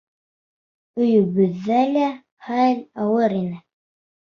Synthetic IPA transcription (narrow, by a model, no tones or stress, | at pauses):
ɵ̆jɵ̆βɵ̆ðːælæ | χælʲɑwɤɾinɘ